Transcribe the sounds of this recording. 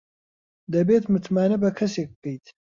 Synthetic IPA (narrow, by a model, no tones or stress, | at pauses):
d̪ɐbeːt̪mɨt̪maːnɐbɐkʰɐseːk̚b̚ɨkejt̪ʰ